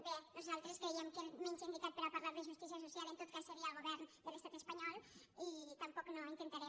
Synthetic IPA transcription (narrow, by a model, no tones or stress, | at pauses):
benuzalˠt̪ɾeskɾeiemkement͡ʃind̪ik̪at̪̚pəɾapaɾlaɾðeʒust̪is̬iasusjalent̪ot̪̚kasːeɾiaəːlˠɣoβɛɾnd̪əlest̪at̪espaɲɔlˠ | it̪ampɔknoint̪ent̪aɾɛ